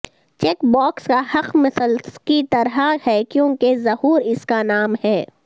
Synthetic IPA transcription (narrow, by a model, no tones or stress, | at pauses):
t͡ʃeːkbɔːkskahɐqmɪsəlkit̪ɐɾɦahɛːkjõːkezɐhuːɾɪskanaːmhɛː